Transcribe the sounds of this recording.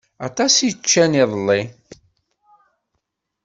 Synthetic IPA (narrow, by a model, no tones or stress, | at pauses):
ɑt̪ˤɑsit͡ʃːæniðˤəlːi